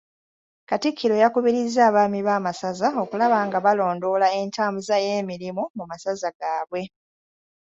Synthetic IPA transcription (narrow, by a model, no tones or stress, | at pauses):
katikʰːiɾo̞jakuβiɾizːaːβaːmiβaːmasazao̞kulaβaːŋɡaβalo̞ːndo̞lae̞ntaːmbuzaje̞ːmiɾimumumasazaɡaːβwe̞